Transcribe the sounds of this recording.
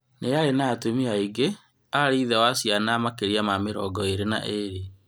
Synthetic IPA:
neaɾenaːtumiaiɡe | aɾiːðɛwasianamakeɾiamameɾɔːɡɔeɾena̰ʔeɾe

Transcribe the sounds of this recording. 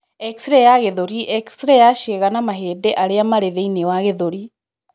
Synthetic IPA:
ɛksɾɛjaɣeðoɾiʔɛksɾɛjaʃeɣanamaɦeːdɛʔaɾeamaɾeðeinewaɣeðoɾi

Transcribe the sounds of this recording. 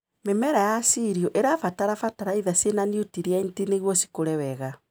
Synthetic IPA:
memɛɾajasiɾiɔʔeɾafataɾafataɾaiðasenaniutiɾeaintineɣwɔsi̥koɾɛwɛɣa

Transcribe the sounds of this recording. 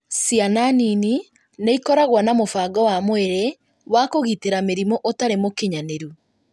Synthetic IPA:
sjananini | neikɔɾaɣwanamofaːɡɔwamweɾe | wakoɣiteɾameɾimɔʔotaɾemokeɲaneɾu

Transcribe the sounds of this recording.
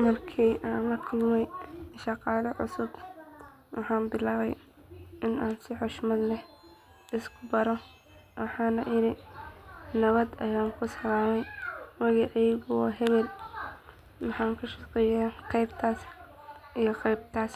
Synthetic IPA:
mɐrkʰiːʔaːnlɐkʰʊlmɛjʃɑqɑːlɐʕʊ̰sʊb | wɑħɑːnbɪlaːβɛj | ʔɪnaːnsɪħɔʃmɐd̪lɛ | ɪskʰʊbɐɾɔ | wɑħɑːnlɐʔɪɾɪ | nɐβɐd̪ɐjaːŋkʰʊsɐlaːmɛjwɐɣɪʕɛjɣʊwɑ̰ːɦɛβɛl | wɑħɑːŋkʰʊʃɑqɛjɛqɛjbt̪ʰaːs | ijɞqɛjb̚t̪ʰaːs

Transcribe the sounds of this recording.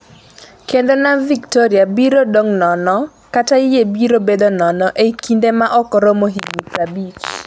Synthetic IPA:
kendonaviktoɾiabiɾodoŋnɔnɔ | kataɪjebiɾobed̪onɔnɔʔekindemaʔɔkɔɾomoɦiɡnipɾabit͡ʃ

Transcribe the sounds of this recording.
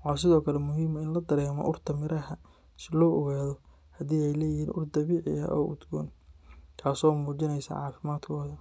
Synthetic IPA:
wħɑːs̬ɪðɔːkʰɐlɛmʊɦiːmɐɪnlɐd̪ɐɾɛːmɔ̰ʔʊrt̪ʰɐmɪɾɐɦɐ | sɪlɔːʔɔɣaːðɔ | hɐd̪iːɛjlɛːjɪhiːnʔʊrd̪ɐβiːʕɪ̰ɐ̰ʔɔ̰ːʔʊ̰d̪ɡɔ̰ːnkʰaːsɔːmuːt͡ʃɪnɛjsa̰ʕɑ̰ːfɪmaːd̪kʰɔːðɐ

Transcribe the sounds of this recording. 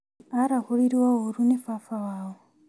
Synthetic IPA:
aɾahuɺiɾiwaoɾunefafawaːwo

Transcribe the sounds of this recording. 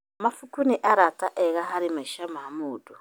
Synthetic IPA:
mafukuniʔaɾataʔɛɣaɦaɾimaiʃamamuːdu

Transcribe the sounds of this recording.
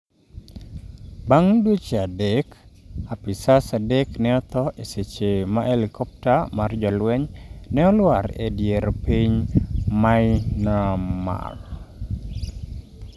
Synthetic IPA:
baŋdwot͡ʃeadekapisasadɛknɛɔt̪ɔʔeset͡ʃemaʔelikɔp̚tamard͡ʒɔlwɛɲnɛɔlwaɾḛdjeɾpiɲmaɪnama̰ɡ

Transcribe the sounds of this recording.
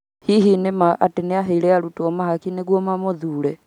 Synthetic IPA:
hiɦinemaʔa̰teneaɦɛiɾɛaɾutuɔmahakineɣwɔmamoðuːɾɛ

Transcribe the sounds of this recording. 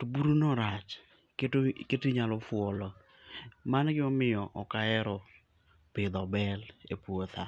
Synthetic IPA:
tobuɾunɔɾat͡ʃ | ketketiɲalɔfʊɔlɔ | manɡɪɔmɪjɔʔɔkaɛɾɔ | pɪd̪ɔbɛlepwot̪ʰa

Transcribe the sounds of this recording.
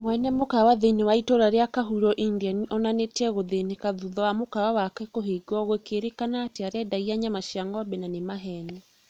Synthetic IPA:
mwɛnɛmokawaðeinewaitoɾaɾeakaɦuɾɔʔindianiʔɔnanetɛɣoðenekaðuðɔwamokawawakwɛkoɦeɡɔɣwekeɾekanaːteaɾɛdaiaɲamaʃiaŋɡabɛnanemaɦɛni

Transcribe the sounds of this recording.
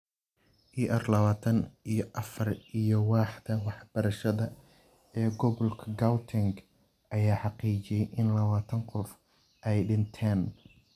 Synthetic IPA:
ʔiːʔɛrlɐβaːt̪ʰɐnijɞʔɐfɐrʔijɞwɑːħd̪ɐwɑħb̥ɐɾɐʃɐðɐ | ɛːɡɔβɔlkʰɐɡawt̪ʰɪŋɡ | ʔɐjaːħɑqiːt͡ʃɪjɛjʔɪnlɐβaːt̪ʰɐŋqɔf | ʔɛjɖɪnt̪ʰaːn

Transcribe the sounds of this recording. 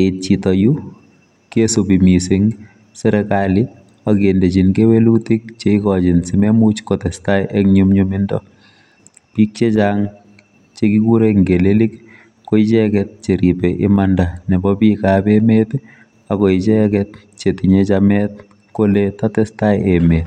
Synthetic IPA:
eit̚t͡ʃitɔju | kesopimisiŋ | sɛɾɛkalɪ | akendet͡ʃinkewelutik̚t͡ʃeikɔt͡ʃɪnsimemut͡ʃkotɛstajʔekɲumɲumɪndɔ̰ | pik̚t͡ʃet͡ʃaŋ | t͡ʃekikuɾeŋɡelelik | koit͡ʃɛkɛt̚t͡ʃeɾipeʔɪ̰mandanɛbɔpikapemet | akoit͡ʃɛkɛt̚ | t͡ʃetiɲet͡ʃamɛt̚ | koletatɛstajemet

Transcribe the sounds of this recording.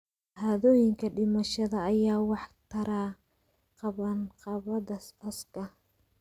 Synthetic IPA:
haːðɔːjɪŋkʰɐɖɪmɐʃɐðɐːjaːwɑħt̪ʰɐɾaː | qɑβɐnqɑβɐðɐsʔɐskʰɐ

